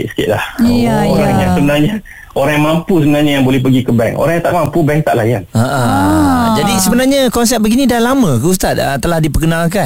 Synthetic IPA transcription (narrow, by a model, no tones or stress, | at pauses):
ɪʔsə̥kɪʔ̪lahoɾaŋjaŋsəbənarɲa | oɾaŋjamampusəbənaɲajaŋbolɛhpəɡikəbɛŋo̰ɾãŋjãt̪a̰ʔmampubɛŋt̪aʔlajanaʔa | d͡ʒadisəbənarɲakɔns̬ɛp̚bəɡinĩdalamə̃kəus̬t̪at̪̚ət̪ːəlahdipərkənalkan